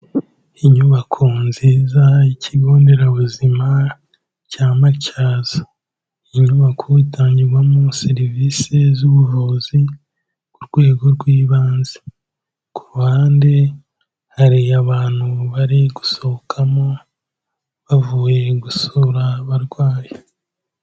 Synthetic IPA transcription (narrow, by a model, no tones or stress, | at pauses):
iɲuβakʰonziːzaicʰiβo̞ːnde̞ɾaβuzima | caːmacaːz̥a | iɲuβakʰoitʰaːɲɟiɾɡwamuseɾivise̞zuβuvozi | kuɾɡ̥we̞ːɡo̞ɾɡwiːβaːnze̥ | kʰuɾuhaːnde̞ | haɾiaβaːn̥huβaɾiɡu̥so̞okʰamo̞ | βavuːje̞ɡusoɾaβaɾɡwaːje